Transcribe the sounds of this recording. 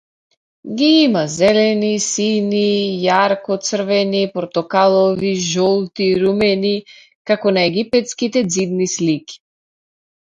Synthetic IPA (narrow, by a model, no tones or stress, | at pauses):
ɡʲiimazɛlɛnisinijaɾkɔt̪sr̩vɛnipɾt̪ɔkalˠɔviʒɔlˠt̪iɾumɛni | kakɔnaɛɡipɛt̪skit̪ɛd̪zid̪nislikʲi̥